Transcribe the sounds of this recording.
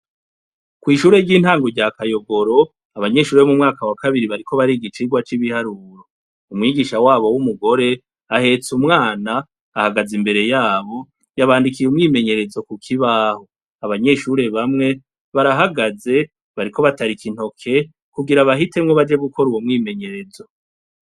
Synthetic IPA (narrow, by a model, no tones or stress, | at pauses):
kwiːʃuːɾe̞ɟiːn̥haːŋɡo̞ɾɟakajo̞ɡo̞ɾo̞ | aβaɲe̞ʃuːɾeβomumŋaːkawakaβiɾiβaɾikʰo̞βaɾiɡit͡ʃiɡwat͡ʃiβihaɾuːɾo̞ | umŋiːɡiʃawaːβo̞wumuɡo̞ɾe̞ | ahe̞t͡sumŋaːnaː | haɡazimbe̞ɾe̞jaːβo̞ | jaβaːndikijumŋiːme̞ɲe̞ɾe̞zo̞kukʰiβaːho̞ | aβaɲe̞ʃuɾe̞βamŋe̞ | βaɾaɦaɡaze̞ | βaɾikʰo̞βataɾikin̥o̞kʰe̞ | kuɡiɾaβahite̞mŋoβad͡ʒe̞ɡukʰo̞ɾuwomŋiːme̞ɲe̞ɾe̞zo̞